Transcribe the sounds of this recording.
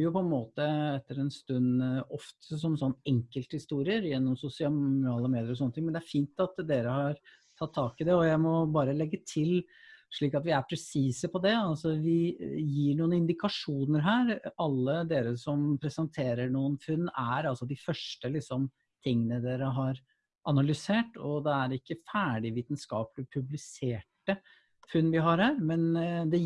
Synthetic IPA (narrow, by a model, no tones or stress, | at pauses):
jʊpʰɔɛnmoːt̪əɛt̪ːəɾɛnst̪ʉnɔft̪ʰəsɔmsɔnːɛŋkəlt̪hɪst̪uːɾɪəɾjɛnːɔmsʊsɪɑʊɾɑːləmeːd̪ɪəɾɔsɔnːət̪ɪŋmɛnd̪ɛæɾfiːnt̪ɑt̪d̪eːɾəhɑɾ | t̪ʰɑt̪ʰːɑːkɪd̪ɛɔjæɪmɔbɑːɾəlɛɡːət̪ʰɪlʂɭiːkɑt̪ʋɪæɾpʰɾɛsiːsəpʰɔd̪ɛɑlsɔʋɪjiːɳuːənəɪnd̪ɪkʰɑʂuːnəɾɦæːɾɑlːəd̪eːɾəsɔmpʰɾɛsənt̪ʰeːɾəɳuːənfʉnːæɾɑlsɔd̪ɪfœʂʈəlɪksɔm | t̪ʰɪŋːənəd̪eːɾəɦɑɾ | ʔɑnɑlʏseːʈɔd̪ɛæɾɪkːəfæːɖɪʋiːt̪nskɑːpəlɪpʰʉblɪseːʈə | fʉnːʋɪɦɑɾhæːɾmɛnd̪ɛ